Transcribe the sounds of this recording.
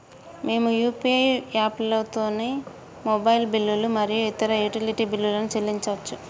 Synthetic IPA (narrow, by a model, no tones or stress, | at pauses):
me̞ːmujuːpiejaːplɐt̪o̞ːneː | mobɐjilbilːulumɐɾijuit̪ɐɾɐjuʈiliʈiːbilːulɐnut͡ʃelːiɲt͡ʃɐʋɐt͡ʃːu